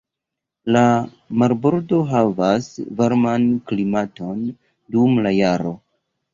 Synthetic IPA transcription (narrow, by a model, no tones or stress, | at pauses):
la | maɾbo̞ɾdo̞ɦavasvaɾmanklimato̞n | dumlajaɾo̞